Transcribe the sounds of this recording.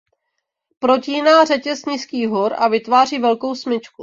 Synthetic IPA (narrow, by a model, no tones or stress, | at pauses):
pɾo̞ciːnaːrɛcɛsɲiskiːɦoɾavɪt̪vaːr̝iːvɛlkowsmɪt͡ʃku